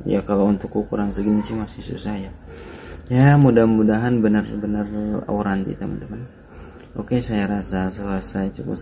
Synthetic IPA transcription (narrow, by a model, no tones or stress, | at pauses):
ja̰kalaunt̪ʊkːukuɾaŋsəɡənt͡ʃimasɪhsṵsahja | sajamudahmudaɦanbənərbənəra̰uɾant̪ḭt̪amə̰ndəmən | okesajaɾasasəlasait͡ʃukṵ